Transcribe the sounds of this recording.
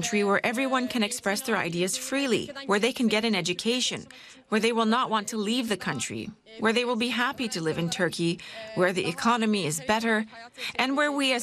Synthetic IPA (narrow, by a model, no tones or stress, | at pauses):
nt͡ʃɹ̥iwə˞ʔɛvɹiwʌ̃nkʰɨ̃ñɨkspɹɛsðə˞a̰ɪdiɨz̥fɹilˠḭwə˞ðeɪkʰɨ̃nɡɛɾɨ̃nɛd͡ʒɨkʰeɪʃɨ̰̃n | wə˞ðeɪwɪlˠnəʔ̚wɑ̃ntʰəlivðɨkʰʌ̃nt͡ʃɹ̥ḭ | wə˞ðeɪwəlˠbiɦæpiɾɨlɪvɨ̃ntʰɜ˞kʰiwə˞ðḭʔɨ̰kʰɑnɨmiɪzbɛɾə˞ʔɨ̃nwə˞wiɨ